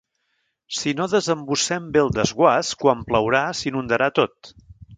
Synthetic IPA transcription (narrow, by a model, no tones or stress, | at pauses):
sinoðəzəmbusɛmbelˠd̪əzɣwaskwampləwɾasinund̪əɾat̪ot̪